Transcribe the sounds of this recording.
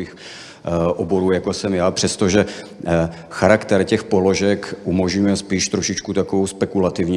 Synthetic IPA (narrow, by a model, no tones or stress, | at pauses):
ix | ʔobo̞ɾuːjakosɛmjaːpr̥ɛst̪o̞ʒɛ | xaɾakt̪ɛɾcɛxpo̞lo̞ʒɛkʔumoʒɲujɛspiːʃt̪ɾo̞ʃɪt͡ʃkut̪akovowspɛkulat̪ɪvɲi